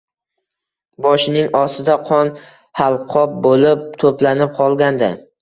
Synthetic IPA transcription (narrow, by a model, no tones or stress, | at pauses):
bɒʃɪnɪŋɒsɪd̪aqʰɒn | halˠqʰɒp̚bolɪp̚t̪ʰoplanɪp̚qʰɒlˠɡʲand̪ɪ